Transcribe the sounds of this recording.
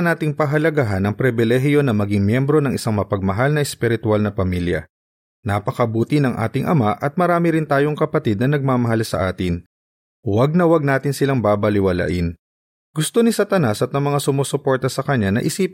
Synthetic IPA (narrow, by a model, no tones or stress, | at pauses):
naːt̪ɪŋpɐɦɐlɐɡaɦɐnɐŋpɾɪbɪlɛɦjo̞nɐmɐɡɪŋmjɛmbɾo̞nɐŋɪsaŋmɐpɐɡ̚mɐɦalnɐʔɛspɪɾɪt̪ʊalnɐpɐmiljɐ̰ | nɐpɐkɐbuːt̪ɪnɐŋʔa̰ːt̪ɪŋʔɐ̰maʔɐt̪̚mɐɾaːmɪɾɪnt̪aːjo̞ŋkɐpɐt̪ɪd̪̚nɐnɐɡ̚maːmɐɦalsɐ̰ʔaːt̪ɪn | wɐɡ̚nɐwɐɡ̚naːt̪ɪnsɪlaŋbaːbɐlɪwɐla̰ːʔɪn | ɡʊst̪o̞nɪsɐt̪ɐnasɐt̪nɐmɐŋasʊmoːsʊpo̞ɹt̪ɐsɐkɐɲːanɐ̰ʔɪsiːp